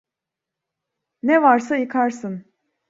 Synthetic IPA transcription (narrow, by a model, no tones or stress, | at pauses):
nɛvaɾsajɯkʰaɾsɯn